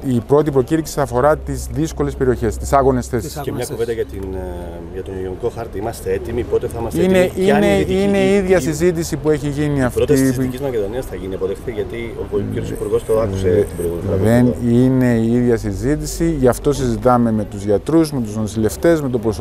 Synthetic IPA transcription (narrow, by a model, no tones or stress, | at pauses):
ipɾo̞t̪ipɾo̞ciɾiksiɐfo̞ɾɐt̪izðisko̞le̞spe̞ɾio̞çe̞st̪i̥sɐɣo̞ne̞sθe̞sisemɲɐuved̪ɐʝɐt̪in | ʝɐt̪oniioniko̞xɐɾt̪iimɐst̪eet̪imipo̞t̪eθɐimɐstineineine̞iiðʝɐsizit̪isipue̞çiʝiniɐfɾot̪ssicizmɐceðo̞niɐsθɐʝiniɐpoðexθet̪eʝɐt̪i | o̰poiɾosipuɾɣost̪oɐkuset̪ibeɾoɣulɐðenine̞iiðʝɐsizit̪isiʝɐft̪o̞sizit̪ɐme̞me̞t̪uzʝɐt̪ɾuzme̞t̪uznosile̞ft̪e̞zme̞t̪obɾos